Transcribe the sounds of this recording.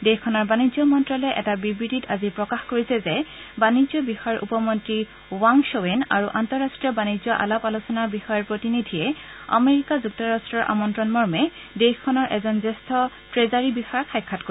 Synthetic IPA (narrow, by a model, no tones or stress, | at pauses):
dexkʰːɔnɔɹbanizɔmɔntɹɔlɛʔɛtabibɹititazipɹɔkaxkoɹisɛzɛ | banizɔbixɔjaɹʔṵpɔmontɹi | waŋsowena̰ɹuʔantɔɹastɹiɔbanizɔʔa̰lapalusɔnabixɔjɔɹpɹotinidʱijɛa̰meɹikazuk̚tɔɹastɹɔɹʔa̰mɔntɹɔnmɔɹmɛ | dexkʰːɔnɔɹʔɛzɔnzestʰɔ | tɹezaɹibixɔakʰajkʰːatko